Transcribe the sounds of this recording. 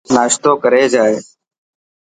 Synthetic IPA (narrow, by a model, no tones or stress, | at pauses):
naːʃt̪oːkəɾeːd͡ʒaːeː